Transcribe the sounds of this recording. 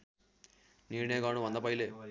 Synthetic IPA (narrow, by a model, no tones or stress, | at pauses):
niːneːɡaːnuʋɐnd̪ɐpɐjleː